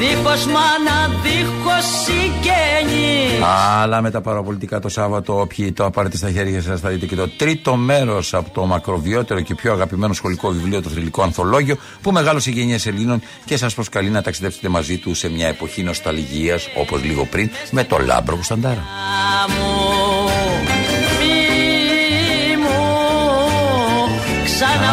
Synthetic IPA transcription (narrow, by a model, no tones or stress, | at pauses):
ixozmɐnɐðixosiɟeɲiɐlɐme̞t̪ɐpɐɾopo̞lit̪ikɐt̪o̞sɐvɐt̪o̞opçit̪o̞ɐpɐɾe̞t̪ist̪ɐçe̞ɾʝɐs̬ɐsθɐðit̪e̞ce̞t̪o̞t̪ɾit̪o̞me̞ɾo̞sɐpo̥t̪o̞mɐkɾo̞vio̞t̪e̞ɾo̞ce̞pçoɐɣɐpime̞no̞sxo̞liko̞vivlio̞t̪oθɾiliko̞ɐnθo̞lo̞ʝio̞ | pume̞ɣɐloseʝe̞ɲese̞lino̞n | ce̞sɐspɾoskɐlinɐt̪ɐksiðe̞pse̞̥t̪e̞mɐzit̪use̞mɲɐe̞po̞çino̞st̪ɐlʝiɐso̞po̞zliɣo̞̰pɾinme̞t̪o̞̰lɐ̰bɾoɣost̪ɐnd̪ɐɾɐmu | mi | mu | ksɐn